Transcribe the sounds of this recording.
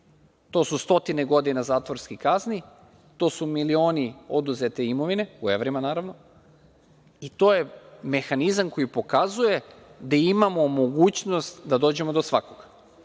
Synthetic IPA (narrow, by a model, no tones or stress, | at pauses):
t̪o̞sust̪o̞t̪ineɡo̞d̪inazaːt̪ʋo̞ɾskikazni | t̪o̞ːsumilio̞ːnio̞d̪uzet̪iimo̞ʋine̞ueʋɾimanaːɾaʋno̞ | it̪o̞ːje̞me̞xanizamko̞jipo̞kazuje̞d̪aimamo̞mo̞ɡuːt͡ɕno̞st̪d̪ad̪o̞ːd͡ʑe̞mo̞d̪o̞sʋako̞ɡ̥a